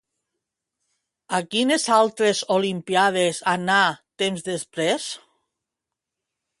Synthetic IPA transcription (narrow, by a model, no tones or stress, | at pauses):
akinezalˠt̪ɾezolimpiað̞esanat̪emzðespɾes